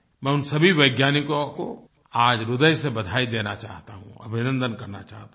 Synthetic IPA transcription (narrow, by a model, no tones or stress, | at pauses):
mɛ̃ːʊnsɐbʱiʋɐɪɡjaːnikõko | aːd͡ʒɾʊd̪əjsebɐd̪ʱaːid̪eːnat͡ʃaːɦt̪aɦṵ̃ɐ̰bʱɪnə̃nd̪ənkɐɾna̰t͡ʃa̰ːɦt̪a